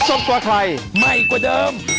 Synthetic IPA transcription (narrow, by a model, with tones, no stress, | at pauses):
so˨˩p̚ku˧əkʰla˧jma˧˩jku˧˩dɤː˧m